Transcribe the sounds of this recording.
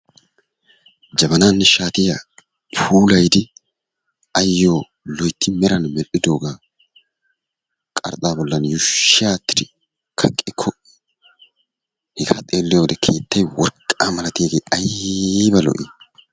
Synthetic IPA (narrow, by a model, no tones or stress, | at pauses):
d͡ʒɐbɐnaːnːɛʃaːt̪ɪja | uːlɐjd̪ɪ | ɐjːo̞ː | lɔjt̪ːɪmɛɾɐnmɛlʔɪd̪o̞ːɡaː | kʼɐ̰ɾt̪ʼaːbɔlːɐnjʊʃːɪaːt̪ːɪ̥d̪ɪ | kʰɐkʼːɪkʰːɔ | hɛɡaːt̪ʼe̞ːlːɪjoːd̪ɛkʰeːt̪ːɐjwɔɾkʼːaːmɐlɐt̪ɪjeːɡeːɐjbɐlɔ̰ʔɪ